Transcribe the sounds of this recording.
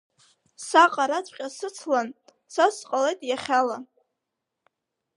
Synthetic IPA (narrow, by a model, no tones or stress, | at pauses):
saqʼaɾat͡sʷʰʼqʲʼasɨt͡sʰlan | sasqʼale̞jtʼjaχʲala